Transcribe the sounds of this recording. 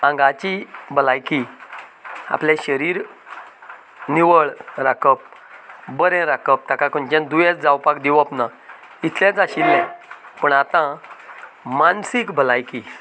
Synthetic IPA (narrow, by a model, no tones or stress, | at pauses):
ãŋɡat͡ɕibʱəlajki | a̰plɛ̃ɕəɾiːɾ | niʋəɭɾakəp̚bəɾɛ̃ɾakəp̚t̪akakənd͡ʑɛ̃nd̪ujɛt͡sd͡zawpak̚d̪iʋapna | it̪ʰlɛ̃d͡zaɕilːɛ̃pəɳat̪ã | mansikbʱəlajki